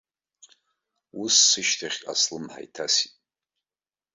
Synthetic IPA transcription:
usːɨʃtʰaχʲʼa̰slɨmħa̰jtʰasitʼ

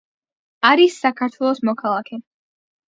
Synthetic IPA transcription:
aɾisːakʰaɾt̪ʰwɛlˠɔsmɔkʰalˠakʰɛ

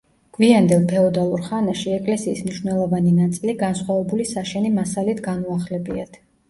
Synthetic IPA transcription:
ɡ̥viand̪ɛlˠpʰɛɔd̪alˠuɾχanaʃiɛkʼlɛsiːsmniʃvnɛlˠɔvaninat̪sʼiliɡansχwavɛbulisaʃɛnimasalit̪ʰɡanuaχlɛbiat̪ʰ

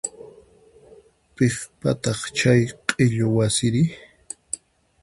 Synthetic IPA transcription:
peχpa̰t̪ɑχt͡ʃajqʼeʎowasɪɾɪ

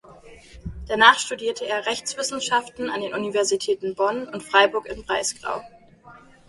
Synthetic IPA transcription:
d̥anaːχʃtudiːɐtʰəeːɐʁɛçt͡sv̥ɪsn̩ʃaftn̩andeːnʔunivɛɐzitʰɛːtn̩bɔnʊntfʁ̥aɪbʊɐkɪnbʁaɪsɡ̥ʁa̰ʊ

